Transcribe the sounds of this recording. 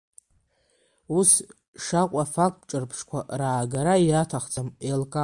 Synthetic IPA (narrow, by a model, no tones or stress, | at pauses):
us | ʂaqʷʼafak̚ʼtʈ͡ʂʼɨrpʰʂkʷʰa̰raːɡaɾaiatʰaχt͡sʰʼamelkʼa